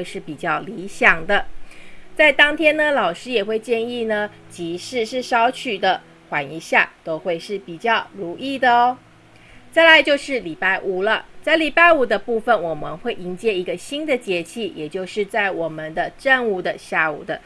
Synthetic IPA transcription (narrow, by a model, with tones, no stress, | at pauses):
we˥˧ɪʂɻ̩˥˩pi˨˩t͡ɕjɑ˥˩ʊli˧˥ɕjɑ˨˩ŋd̪ə˦t͡sa˥˩ɪt̪ɑ˥ŋt̪ʰjɛ˥nə˨lɑ˨˩ʊʂɻ̩˥jɛ˨˩xwe˥˧ɪt͡ɕjɛ˥˧ni˥˩nə˩t͡ɕi˧˥ʂɻ̩˥˧ʂɻ̩˥˩ʂɑ˥ʊt͡ɕʰy˨˩d̪ə˦ | xwa˧˥ni˧˥ɕja̰˥˩t̪o˥ʊxwe˥˧ɪʂɻ̩˥˩pi˨˩t͡ɕjɑ˥˩ʊɻu˧˥ʔi˥˩d̪ə˩ | t͡sa˥˩ɪla˧˦ɪt͡ɕjo˥˧ʊʂɻ̩˥˩li˨˩pa˥˩ɪʔu˨˩lə˦t͡sa˥˩ɪli˨˩pa˥˩ɪu˨˩d̪ə˦pu˥˩fə˨nwɔ˨˩mə̰˧˦nxwe˥˩ɪʔi˧˥ŋt͡ɕjɛ˥˩i˧˥ɡə˧ɕi˥nd̪ə˨t͡ɕjɛ˧˥t͡ɕʰi˥˩jɛ˨˩t͡ɕjo˥˧ʊʂɻ̩˥˧t͡sa˥˩ɪwɔ˨˩mə˨nd̪ə˧ʈ͡ʂə˥˧ŋu˨˩d̪ə˧ɕja˥˩ṵ˨˩d̪ə˦